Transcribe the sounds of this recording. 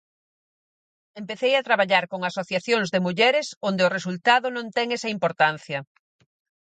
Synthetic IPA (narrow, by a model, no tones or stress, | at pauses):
empeθejat̪ɾaβaʎaɾkoŋasoθjaθjoŋzðɪmuʎɛɾɪsond̪ɪʊres̬ult̪aðʊnõnt̪ɛŋɛsɐimpoɾt̪an̟θjɐ